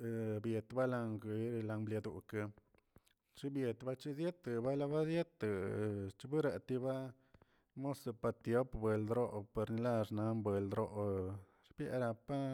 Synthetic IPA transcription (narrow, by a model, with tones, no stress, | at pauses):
bje˨t̪ba˦la˧ŋɡi˧ɾla˧mblja˧d̪u˨ka˧ | t͡ʃi˦bje˨t̪ba˦t͡ʃi˦zje˦t̪ɨ˨ba˦la˧ba˦zje˦t̪ɨ˨t͡ʃi˧bu˦ɾa˧t̪i˧ba˦ | mo˦so˧pa˧t̪jo˨˦pbe˨ld̪ɾo˦pe˧ɾni˧la˦ʐna˨˦mbwe˨ld̪ɾo˧ʔ | ɾbja̰˧˦ɾa˧pa˦